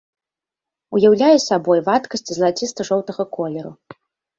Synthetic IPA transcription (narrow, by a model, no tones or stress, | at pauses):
ujawlʲajɛsʲabɔjvat̪kɐsʲt͡sʲizlˠat͡sʲist̪ɐʐɔwt̪ɐɣɐkɔlʲɛɾu